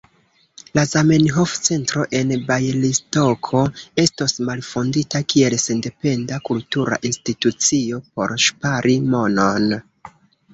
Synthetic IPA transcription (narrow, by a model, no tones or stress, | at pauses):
lazamenɦo̞ft͡se̞ntɾo̞ʔe̞nbajlisto̞kʰo̞e̞stosmalfonditakie̞lse̞nde̞pe̞ndakultuɾa̰ʔinstitut͡sio̞po̞̰ɾʃpaɾʔimo̞no̞n